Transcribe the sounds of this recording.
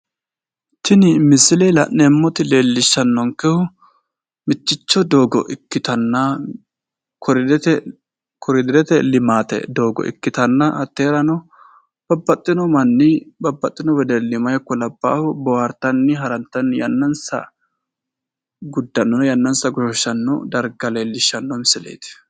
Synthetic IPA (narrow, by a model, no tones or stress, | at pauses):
t̪ʰɪnɪmɪsɪlɛlɐ̰ʔnɛmːɔt̪ɪle̞ːlːɪʃːɐnːɔŋkɛhʊ | mɪt͡ʃːɪt͡ʃːɔd̪oːɡɔ̰ʔɪkːɪt̪ɐnːɐ | kʰɔɾdt̪ɛ | kʰɔɾɪd̪ɪɾɛt̪ɛlɪmaːt̪ɛ̰d̪oːɡɔ̰ʔɪ̰kːɪt̪ɐnːɐʔɐt̪ːeːɾɐnɔ | b̥ɐbːɐt̪ʼːɪnɔmɐnːɪbɐbːɐt̪ʼːɪnɔwɛd̪ɛlɪmɐjkːɔlɐbːa̰ːhʊbɔwaɾt̪ɐnːɪɦɐɾɐnt̪ːɐnjɐnːɐnsɐ̰ | ɡʊd̪ːɐnːɔnjɐnːɐnsɐɡɔʃɔʃɐnːɔ̰d̪ɐɾɡɐle̞ːlːɪʃːɐnːɔmsɪlḛːt̪ɪ̥